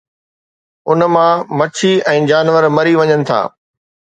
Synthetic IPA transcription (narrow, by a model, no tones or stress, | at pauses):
ʊnmãmɐt͡ɕʰiɛ̃ːd͡ʑaːnʋəɾmɐɾiʋɐɲənɪ̆t̪ʰa̰ː